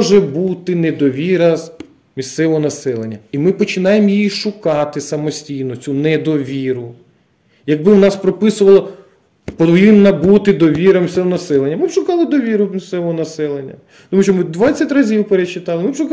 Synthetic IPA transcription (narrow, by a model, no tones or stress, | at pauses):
ʒɛbut̪ɪned̪ɔʋʲiɾɐz | mʲist̪sɛʋɔɦɔnɐsɛlˠenʲːɐimɪpɔt͡ʃɪnɑjemjijiʃʊkɑt̪ɪsɐmɔsʲtʲijnɔt͡sʲunɛd̪ɔʋʲiɾʊ | jɐɡ̚bɪwnɑspɾɔpɪsʊʋɐlˠɐ | pɔʋʲɪnːɐbut̪ɪd̪ɔʋʲiɾɐmisɛʋɔnɐsɛlˠenʲːɐmɪbʃʊkɑlˠɪd̪ɔʋʲiɾʊmʲist̪sɛʋɔɦɔnɐsɛlˠenʲːɐ̰ | t̪ɔmuʃt͡ʃɔmɪd̪ʋɑt͡sʲːɐtʲrɐzʲiwpeɾet͡ʃːɪt̪ɑlˠɪmɪbʃʊk